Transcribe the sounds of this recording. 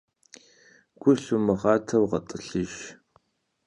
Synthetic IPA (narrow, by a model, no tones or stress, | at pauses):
ɡ̥ʷʊɬumɨʁɑːtʰɐwʁɐtʼɨɬɨʒ